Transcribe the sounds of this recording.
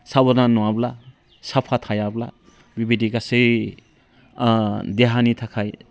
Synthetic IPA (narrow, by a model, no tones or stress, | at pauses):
sabɔɾnanuwabla | sapʰat̪ʰajabla | bibid̪ʱikasɯ | d̪eɦanit̪ʰakʰaj